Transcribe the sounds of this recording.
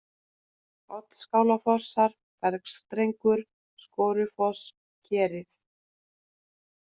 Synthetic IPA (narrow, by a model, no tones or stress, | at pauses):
ɔt̪skaːwlafɔsːaɾ | pɛɾkst̪ɾejŋkʏɾ̥ | skoːwɾʏfɔs | cʰɛːɾɪθ